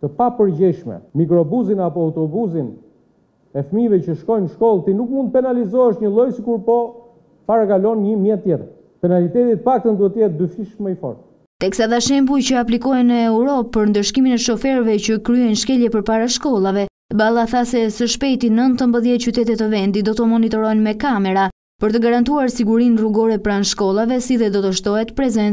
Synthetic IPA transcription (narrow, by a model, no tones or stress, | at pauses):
t̪əpapəɾd͡ʑɛʃmɛ̰mik̬ɾɔbuzinapɔawt̪ɔbuzin | ɛfmivɛt͡ɕəʃkɔjnʃkɔlˠt̪inukmunt̪̚pɛnalizɔɛʃɲəlˠɔjsikuɾpɔ | paɾakalɔnɲəmjɛt̪t̪ːjɛt̪əɾ | pɛnalit̪ɛt̪it̪̚əfak̚t̪ənd̪uɛt̪əjɛt̪̚d̪yfiʃmɛifɔ̰ɾt̪ | t̪ɛksad̪aʃɛmbujt͡ɕəaplikɔɦɛnəɛwɾɔpːəɾnd̪əʃkiminɛʃɔfɛɾvɛcəkɾyɛjnʃkɛljɛpəɾpaɾaʃkɔlˠavɛ | balˠaθasɛsəʃpɛjt̪inənt̪əmbəðjɛt̪̚cyt̪ɛt̪ɛt̪əvɛnd̪id̪ɔt̪ɔmɔnit̪ɔɾɔjnmɛkamɛɾa | pəɾt̪əɡaɾant̪̬uaɾsiɡuɾinruɡɔɾɛpɾanʃkɔlˠavɛsiðɛd̪ɔt̪ɔʃt̪ɔɦɛt̪pɾɛzɛn